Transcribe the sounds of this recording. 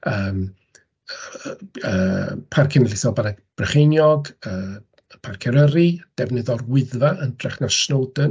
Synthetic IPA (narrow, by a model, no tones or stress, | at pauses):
əːm | əpʰarkʰɛnəlɪθɔbanaɡb̥rəχejnjɔɡəː | pʰarkʰɛɾəɾid̥ɛvnɨðɔrwɪðvaʔəndrɛχnaʃnowdən